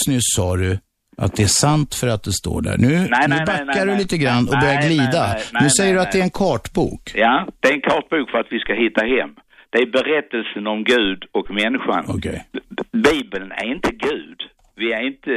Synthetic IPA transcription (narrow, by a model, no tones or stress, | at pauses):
snʉsɑːɾɵ | ʔa̰t̪̚d̪ɛæʂant̪fœɾat̪̚d̪ɛst̪o̰ːɖæ̰ɾɳʉ̟ːnnʉːbakːaɖɵliːt̪əɡɾanːɔkbœɾjaɾɡliːd̪anʉsɛjːəɖɵat̪d̪ɛæɾɛnkʰɑːʈbṵːkjad̪̥ɛæɾɛnkʰɑːʈ̚buːkfœɾat̪vɪskaɦɪt̪ːaɦɛmː | d̪̥ɛæɾbɛɾɛt̪ːəlsənɔmɡʉ̟ːd̪ɔkmɛnːɪɧa̰nɔ̰kʰɛ̰jbiːbəlnæ̰ɾɪnt̪əɡʉ̟ːd̪ | vɪæɾɪnt̪ə